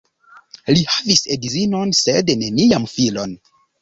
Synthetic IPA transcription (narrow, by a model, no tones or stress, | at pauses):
lihavisedizinonsedne̞niamfilo̞n